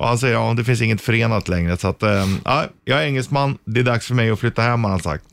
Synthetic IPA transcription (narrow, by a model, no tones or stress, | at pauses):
ʔɔ̰hans̬ɛjːəɾɑːd̪ɛfɪnsɪŋːət̪fœɾeːnat̪lɛŋɾəsat̪ːa̰ɪjʔɑːɡæɾʏŋːɛlsmanːd̪ɛæd̪aksfœɾmɛjɔflʏt̪ːahɛmːahansa̰k̚t̪